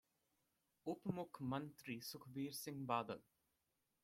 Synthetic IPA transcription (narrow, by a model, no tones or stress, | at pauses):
upmʊkʰmɐnt̪ɾisʊkʰbiːɾsɪŋbaːd̪ə̰l